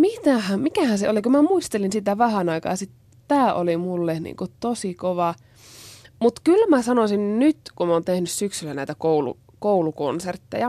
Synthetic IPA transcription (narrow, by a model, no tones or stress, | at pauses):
mit̪æhæmikæhænseolikumæmuist̪elinsit̪æʋæhɑnɑikɑ̰ːɑsit̪ | t̪æːʔolimulːehnḭːŋkut̪osikoʋɑ | mut̪kylmæsɑnosinnyt̪kumoːnt̪ehnyssyksylːænæˑit̪ækoulṵ | kouluko̰nsert̪ːḛjɑ